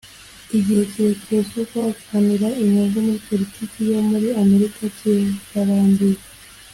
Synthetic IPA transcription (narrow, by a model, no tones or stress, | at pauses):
iɟiheceecosokoati̥hamiɾaiɲaŋɡomuɾipo̞litiːcijo̞muɾiame̞ɾikacetaɾaːndiɾa